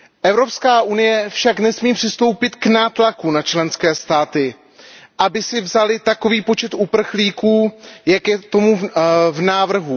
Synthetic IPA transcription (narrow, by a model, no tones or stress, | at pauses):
ʔɛvɾo̞pskaːʔunɪjɛfʃaknɛsmiːpr̥ɪst̪o̞wpɪt̪knaːt̪lakunat͡ʃlɛnskɛːst̪aːt̪ɪ | ʔabɪsɪvzalɪt̪ako̞viːpo̞t͡ʃɛt̪ʔupr̩xliːkuːjakjɛt̪o̞muvnaːvr̩ɦu